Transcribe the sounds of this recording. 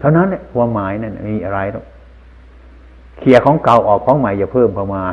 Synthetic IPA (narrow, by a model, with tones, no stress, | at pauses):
t̪ʰa˧wna˦˥nːi˧˩˨waː˧maː˨˦jna˧˩na̰˨˧˩miː˧ʔa˧ɾa˧jɾɔ̰˧˨˩k̚ | kʰi˨˩əkʰɔː˨˦ŋka˨˩wʔɔː˨˩k̚pʰɔː˨˦˥ŋma˨˩jt͡ɕa˨˩pʰɤː˥˩mkʰɔː˧maː˧